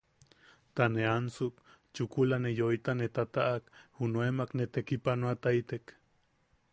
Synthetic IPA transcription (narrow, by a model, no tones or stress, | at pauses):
t̪aneansuk | t͡ʃukulanejoit̪anet̪at̪aʔakhunuemaknet̪ekipanuat̪ait̪ek